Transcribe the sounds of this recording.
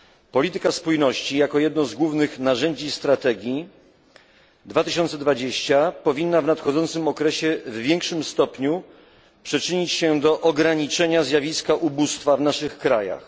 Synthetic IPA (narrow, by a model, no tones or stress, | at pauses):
pɔlʲit̪ɘkaspujnɔɕt͡ɕijakɔjɛd̪nɔzɡwuvnɘxnaʐɛɲd͡ʑist̪ɾat̪ɛɡʲji | d̪vat̪ɘɕɔnt̪sɛd̪vad͡ʑeɕt͡ɕapɔvʲinːavnat̪xɔd̪zɔnt̪sɘmɔkɾɛɕɛvvʲjɛŋkʂɘmst̪ɔpɲu | pʂɘt͡ʂɘɲit͡ɕɕɛd̪ɔʔɔɡɾaɲit͡ʂɛɲazʲjavʲiskaʔubust̪favnaʂɘxkɾaja̰x